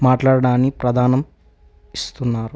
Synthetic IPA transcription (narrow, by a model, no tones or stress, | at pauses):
maːʈlaːɽɐɽaːnːipɾɐd̪ʱaːnɐm | ist̪unːaːɾu